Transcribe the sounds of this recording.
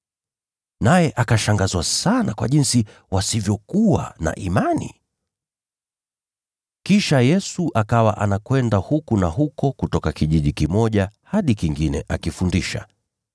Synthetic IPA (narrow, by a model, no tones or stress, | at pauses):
najɛʔakaʃaŋɡazwasanakwa̰ʄinsi | wasivjɔkuwa̰na̰ʔimanḭ | kiʃajɛsuʔakawaʔanakwɛndahukunahukɔkutɔkakiʄiʄikimɔʄahaɗikiŋɡinɛʔakifundiʃa̰